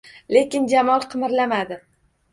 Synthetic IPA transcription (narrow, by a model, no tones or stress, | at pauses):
le̞kʲɪnd͡ʒamɒlˠqʰɨmɪɾlamad̪ɪ